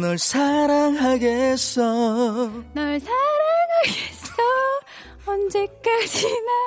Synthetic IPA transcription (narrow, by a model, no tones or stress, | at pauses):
nʌɭsʰaɾaŋɦaɡes͈ʌ | naɭsʰaɾaŋɦaɡessʌ | ʌnd͡ʑe̞k͈ad͡ʑina